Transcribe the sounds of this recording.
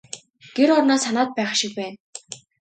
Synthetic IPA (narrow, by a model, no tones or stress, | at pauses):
ɡ̥eɾɔrnɔːsanaːt̪̚pæːχʃɪ̆k̚pæːn